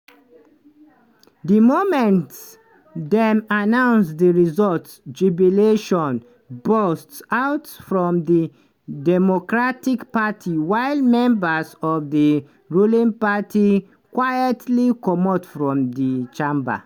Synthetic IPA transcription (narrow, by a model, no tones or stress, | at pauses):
dimomɛ̃nt | dɛ̃manãʊ̃nsdiɹizɔltsd͡ʒubjɔleʃɔ̃n | bɔstsaʊtfɹɔ̃mdi | dɛmokɹatikpatʰiwaɪlmɛ̃mbəsɔvði | ɹulĩŋpati | kwajətʰlikɔmɔtfɹɔ̃mdit͡ʃãmba̰